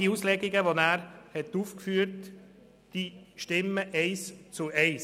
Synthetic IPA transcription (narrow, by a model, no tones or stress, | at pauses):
iuːslɛɡiɡəʋonæːɾhɛt̪uːfkfyːəɾt | d̥iʃtɪmːəʔɛɪst͡suɛɪs